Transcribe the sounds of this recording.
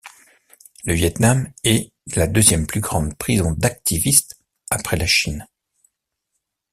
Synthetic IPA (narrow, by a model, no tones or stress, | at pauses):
ləvjɛt̪namɛ | lad̪øzjɛmplyɡʁɑ̃d̪pχizɔ̃d̪ak̚t̪ivist̪ | apχɛlaʃin